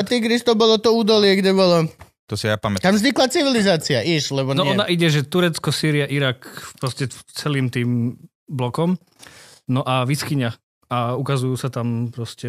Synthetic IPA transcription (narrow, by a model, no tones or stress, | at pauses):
at̪iɡɾist̪ɔbɔlɔt̪ɔuːd̪ɔlɪɛɡdɛbɔlɔ | t̪ɔsijapamɛt̪t̪amvzɲiklat͡siʋilizaːt͡siaʔiʃlɛbɔnɔʔɔnaʔiɟɛʒɛt̪uɾɛt͡skɔsiːɾiaʔiɾaːkpɾɔscɛt͡sɛliːmt̪iːm | blɔkɔm | nɔʔaʋiskiɲa | aukazujuːsat̪ampɾɔscɛ